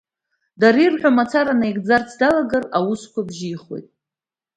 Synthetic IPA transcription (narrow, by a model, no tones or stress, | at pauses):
daɾirħᶣʷamat͡sʰaɾanajɡd͡zart͡sʰdalaɡarawuskʷabʒiːχwe̞̰jtʼ